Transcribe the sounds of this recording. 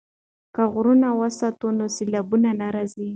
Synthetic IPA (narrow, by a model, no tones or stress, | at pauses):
kaɣɾunawəsat̪onosɪlabunanaɾazi